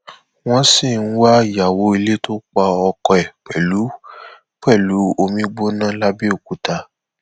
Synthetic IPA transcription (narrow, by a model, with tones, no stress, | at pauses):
w̃ɔ̃˦si˦˨n̩˦wa˦˨ja˨wo˨˦i˧le˦to˦k͡pa˧ɔ˧kɔ˧ɛ˨k͡pɛ˨lu˨˦ | k͡pɛ˦˨lu˨˦o˧mĩ˦ɡ͡bo˦nã˦la˦bi˦o˦˨ku˨˦ta˧˦